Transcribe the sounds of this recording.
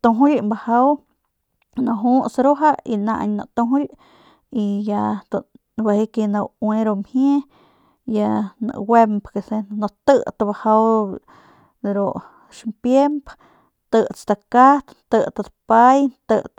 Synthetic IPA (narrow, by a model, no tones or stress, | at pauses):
t̪oɦujmbahaw | naɦusɾuɦaina̰ʔɲna̰t̪uɦuj | ijat̪u | bahikenawweɾomhje | janɨ̰wempkesenot̪ət̪bahaw | ɾoʔ | ʃmpjemp | t̪ɨt͡sd̪akat̪t̪ət̪ad̪pajt̪ɨ